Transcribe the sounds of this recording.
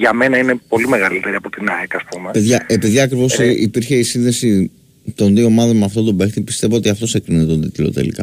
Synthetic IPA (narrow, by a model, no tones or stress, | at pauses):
ʝɐmenɐine̞po̞limeɣɐlit̪e̞ɾiɐpo̞t̪inɐekɐspumepeðʝɐʔe̞piðiɐkɾivo̞sipiɾçe̞isinðe̞si | t̪o̞nðioːmɐðonmɐft̪o̞t̪o̞bext̪ipist̪e̞vo̞ot̪iɐft̪o̞sekɾinit̪t̪ond̪it̪ilo̞̰t̪ḛlḭkɐ̰